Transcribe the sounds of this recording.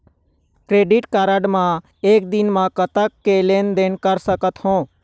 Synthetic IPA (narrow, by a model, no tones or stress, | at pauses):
kɾeːɖɪʈkaːɾəɖmã | eːk̚d̪ɪnmãkət̪əkːeleːnd̪eːnkəɾsəkət̪hõː